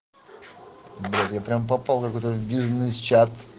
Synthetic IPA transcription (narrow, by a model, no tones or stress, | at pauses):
b̪ɾʲat̪japɾʲamp̬ɐpalˠkɐkojt̪əvbʲiʐnɨst͡ɕat̪